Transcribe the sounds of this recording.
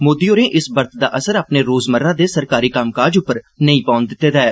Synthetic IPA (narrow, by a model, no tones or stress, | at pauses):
moːd̪iːoːɾẽːʔɪsbəɾt̪ʰd̪a̰ːʔəsəɾaːpneːɾoːzməɾːãːd̪eːsəɾkaːɾiːkamkaːd͡ʒʊpːəɾ | nəĩːpãːʊnd̪ɪt̪ːeːd̪aːɛː